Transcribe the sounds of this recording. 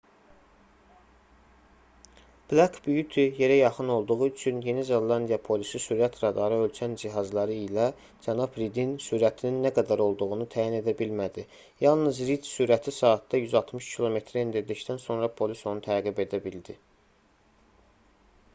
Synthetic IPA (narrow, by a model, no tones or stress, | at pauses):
b̥lakʰbyjyt̪ʰije̞ɾæjɑχɯno̞lˠd̪uʁuyt͡ʃʰynje̞nizonlˠɑnd̪ijɑpʰo̞lisisuɾæt̪ʰɾɑd̪ɑɾɯø̞lt͡ʃʰænd͡ʒiɦɑzlˠɑɾɯilæ | d͡ʒænɑbɾid̪insuːɾæt̪ʰininːæɡæd̪æɾo̞lˠd̪uʁunut̪ʰæːjine̞d̪æbilmæd̪i | jɑlˠnɯzɾid̪suɾæt̪ʰisɑːt̪ːɑjyzɑlˠt̪mɯʃcʰilˠo̞me̞t̪ʰɾiend̪iɾd̪ict̪ænso̞nɾɑpʰo̞liso̞nut̪ʰæɾɣibe̞d̪æbild̪i